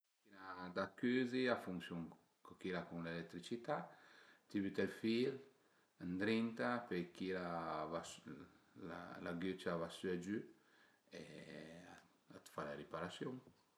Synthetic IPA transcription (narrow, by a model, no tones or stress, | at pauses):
kinad̪akːyziafuŋsjuŋ | kokilakuŋlelɛkt̪ɾit͡ʃit̪at̪ibyt̪ɛlfil | and̪ɾint̪apekilavas | a̰laɡøt͡ʃavasyad͡ʒy | ḛ | at̪falaɾipaɾasjuŋ